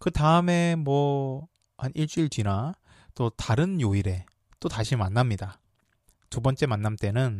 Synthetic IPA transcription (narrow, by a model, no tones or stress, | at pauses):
kɯtaɯme̞mwʌ | hanʔiɭt͡ɕ͈uiɭt͡ɕina | t͈otaɾɯnjoiɾe̞ | t͈otaɕʰimanːamɲida | tubʌnt͡ɕ͈e̞manːamt͈e̞nɯn